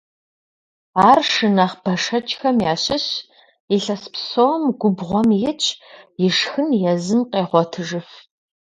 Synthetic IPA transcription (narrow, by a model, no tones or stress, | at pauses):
aːrʂɨnaχb̥ɐʂɐt͡ʃʼxɐmjaːɕɪɕ | iɬɐspsowmɡʷʊbʁʷɔmjɪt͡ʃʰʼjɪʂxɨnjɛzɨmqʼeːʁʷɔtʰɨʒɨf